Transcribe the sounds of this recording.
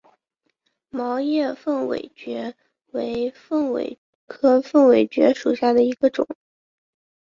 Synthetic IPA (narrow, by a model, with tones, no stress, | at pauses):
mɑ˧˥ʊjɛ˥˧fə˥˩ŋwḛ˨˩ɪt͡ɕɥɛ˧˥ | we˧˥ɪfə˥˩ŋwḛ˨˩ɪ | kʰɤ˧˩fə˥˩ŋwe˨˩ɪt͡ɕɥɛ̰˧˥ʂu˨˩ɕja˥˩d̪ə˩i˧˥ɡ̥ə˧ʈ͡ʂʊ̰˨˩˦ŋ˦ŋ